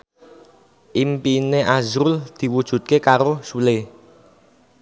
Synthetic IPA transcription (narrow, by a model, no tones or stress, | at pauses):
ʔimpineʔazɾʊld̪̥i̤wud̥ʒ̥ṳt̪̚kekaɾosule